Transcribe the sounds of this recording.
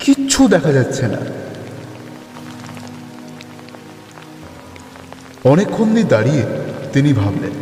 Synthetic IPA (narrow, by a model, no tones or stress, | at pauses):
kiːɕʰud̪ɛkʰad͡ʑatːɕʰena̰ | ɔnekʰːonːid̪aɽiet̪inibʱablḛn